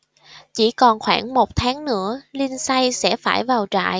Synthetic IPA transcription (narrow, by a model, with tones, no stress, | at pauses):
t͡ɕi˧˩kɔ˨˩nxwaː˧˩ŋmo˨˩t̚t̪ʰaː˨˦ŋnɨ̰˧˥əli˧nsa˧jsɛ̰˧˥faː˧˩jvaː˨˩wt͡ɕa̰ː˧˨j